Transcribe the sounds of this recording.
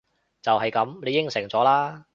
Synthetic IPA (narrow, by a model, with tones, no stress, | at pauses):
t͡sɐ˨whɐ˨jkɐ˨˥mle˨˧jɪ˥ŋsɪ˨˩ŋt͡sɔː˨˥laː˥